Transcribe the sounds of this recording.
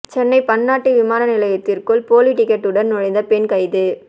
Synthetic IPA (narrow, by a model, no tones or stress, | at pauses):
t͡ʃɛnːɐɪpɐnːaːʈːɯʋɪmaːnɐnɪlɐjɐt̪ːɪrkɯlpoːliʈɪkːɛʈːɯɽɐnnɔɻɐɪnd̪ɐpɛnkɐɪðɯ